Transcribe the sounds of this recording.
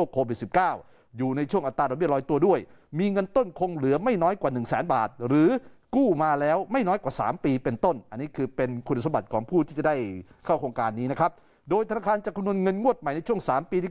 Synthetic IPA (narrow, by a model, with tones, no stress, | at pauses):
kʰːoː˧wi˨˩t̪̚si˨˩p̚kaː˥˩w | juː˨˩na˧jt͡ɕʰu˥˩əʔt̪aː˧dɔ˧mi˥˩lɔː˧jt̪u˧ɐdu˥˩əj | miː˧ŋɤ˧nt̪o˥˩nkʰo˧ŋlɯ˩˦ɐma˥˩jnɔː˦˥jkwaː˨˩nɯ˨˩ŋsɛ̰ː˩˦nba̰ː˨˩t̪̚ɾɯː˩˦kuː˥˩maː˧lɛː˦˥wma˥˩jnɔː˦˥jkwaː˨˩sa̰ː˩˦mpiː˧pe˧nt̪o˥˩nʔa˧nːiː˦˥kʰɯː˧pe˧nkʰu˧n˨sa˧˦ba˨˩t̪̚kʰɔː˩˦ŋpʰuː˥˩t̪ʰiː˥˩t͡ɕa˨˩da˥˩jkʰa˥˩wkʰoː˧ŋkaː˧nːiː˦˥na˦˥kʰa˦˥p̚ | doː˧jt̪ʰa˧naː˧kʰaː˧nt͡ɕa˨˩kʰːmnu˧ənŋɤ˧nŋu˥˩ət̪̚ma˨˩jna˧jt͡ɕʰu˥˩əŋsaː˩˦mpiː˧iː˥˩